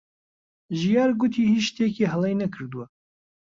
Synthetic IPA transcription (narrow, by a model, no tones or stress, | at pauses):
ʒijɑːɾɡut̪ʰiːhiʃt̪ʰeːkiɦɛlˠejnɛkʰɨɾd̪uwa